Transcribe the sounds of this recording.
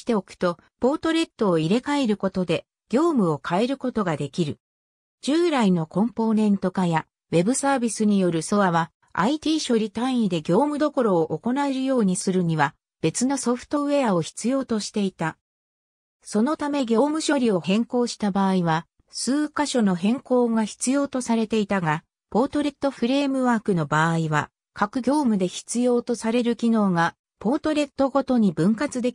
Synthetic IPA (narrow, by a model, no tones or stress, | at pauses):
i̥t̪e̞o̞kɯ̟̥t̪o | po̞ːt̪o̞ɾe̞t̪ːo̞ːiɾe̞kaeɾɯ̟ko̞t̪o̞d̪e̞ | ɡ̥ʲo̞ːmɯ̟o̞kʰae̞ɾɯ̟ko̞t̪o̞ɡad̪e̞kʲiɾɯ̟ | d͡ʑɨːɾaino̞kõ̞mpo̞ːnẽ̞nt̪o̞kaja | βe̞bɯ̟saːbʲisɨɲ̟ijo̞ɾɯ̟so̞βaβ̞a | ait̪ʲiːɕo̞ɾʲit̪ãɰ̃ĩid̪e̞ɡʲo̞ːmɯ̟d̪o̞ko̞ɾo̞ːʔoko̞naeɾɯ̟jo̞ːɲ̟isɨɾɯ̟ɲ̟iβa | b̥e̞t͡sɨno̞so̞ɸɯ̥t̪o̞ɯ̟e̞ao̞çi̥t͡sɨjo̞ːt̪o̞ɕi̥t̪e̞it̪a | so̞no̞t̪ame̞ɡʲo̞ːmɯ̟ɕo̞ɾʲio̞hẽ̞ŋko̞ːɕi̥t̪abaːiβa | sɨːkaɕo̞no̞ɦẽ̞ŋko̞ːɡaçi̥t͡sɨjo̞ːt̪o̞saɾe̞t̪e̞it̪aɡa | po̞ːt̪o̞ɾe̞t̪ːo̞ɸɯ̟ɾe̞ːmɯ̟βaːkɯ̟no̞baːiβa̰ | kakɯ̟ɡʲo̞ːmɯ̟d̪e̞çi̥t͡sɨjo̞ːt̪o̞saɾe̞ɾɯ̟kʲino̞ːɡa | po̞ːt̪o̞ɾe̞t̪ːo̞ɡo̞t̪o̞ɲ̟ibɯ̟̃ŋkat͡sɨd̪e̞